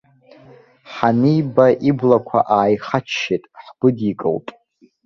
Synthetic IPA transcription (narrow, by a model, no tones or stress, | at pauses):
ħanijbaʔiblakʷʰa̰ʔaːjχat͡ʃʰːetʼħɡ̥ʷʊdikʼɨ̰ltʼ